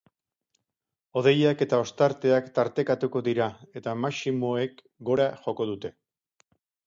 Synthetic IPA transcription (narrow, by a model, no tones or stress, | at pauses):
o̞ð̞e̞jake̞t̪ao̞st̪aɾt̪e̞akt̪aɾt̪e̞kat̪uko̞ðiɾae̞t̪amasimo̞e̞k | ɡo̞ɾaʝo̞ko̞ð̞ut̪e̞